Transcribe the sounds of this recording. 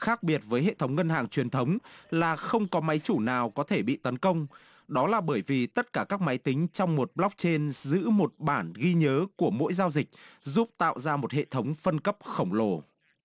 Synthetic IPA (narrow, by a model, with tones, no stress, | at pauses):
xaː˦˥k̚ɓi˨˩ət̚vəː˨˦jɦḛ˧˨t̪ʰə˨˦wŋ͡mŋə˧nhaː˨˩ŋt͡ɕwi˨˩ənt̪ʰə˨˦wŋ͡mlaː˨˩xə˧wŋ͡mkɔ˨˦ma˨˦jt͡ɕu˧˩naː˨˩wkɔ˨˦t̪ʰe˧˩ɓḭ˧˨t̪ə˨˦nkə˧wŋ͡m | ɗɔ˨˦laː˨˩ɓəː˧˩jvi˨˩t̪ə˦˥t̚kaː˧˩kaː˦˥k̚ma˨˦jt̪ï˨˦ŋ̟t͡ɕɔ˧wŋ͡mmo˨˩t̚ɓla˦˥wk͡p̚t͡ɕe˧nzɨ̰˧˥mo˨˩t̚ɓaː˧˩nɣi˧ɲəː˨˦ku˧˩əmo̰˧˥jzaː˧wzï˨˩k̚zu˦˥p̚t̪a̰ː˧˨wzaː˧mo˨˩t̚hḛ˧˨t̪ʰə˨˦wŋ͡mfə˧nkə˦˥p̚xə˧˩wŋ͡mlo˧˩